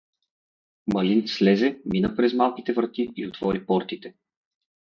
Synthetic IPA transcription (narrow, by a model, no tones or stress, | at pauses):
mɐlinslɛzɛminəpɾɛzmalˠkʲit̪ɛvɾət̪iiot̪v̥ɔɾipɔɾt̪it̪ɛ